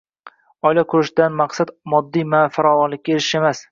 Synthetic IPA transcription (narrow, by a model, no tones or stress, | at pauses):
ɒjlakʰʊɾɪʃɪd̪anmaqsad̪mɒd̪ːijmafaɾɒvɒnlɪkʲːaeɾɪʃe̞mas